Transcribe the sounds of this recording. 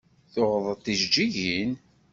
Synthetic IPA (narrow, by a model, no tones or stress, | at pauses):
θʊʁðˤət̪ːiʒd͡ʒiʝin